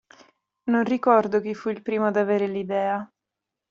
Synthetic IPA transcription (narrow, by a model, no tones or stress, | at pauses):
nonrikɔrd̪ok̟ifːuilpɾiːmod̪aveːɾelid̪ɛːa